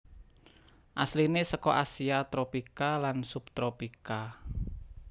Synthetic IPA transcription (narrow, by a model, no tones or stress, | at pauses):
ʔa̰slinesəkɔʔasiat̪ɾopikalansup̚t̪ɾopika